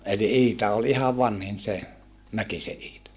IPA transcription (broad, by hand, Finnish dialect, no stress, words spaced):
eli ʔiːtɑ ol ihɑʋ ʋɑnhin se mækise ʔiːtɑ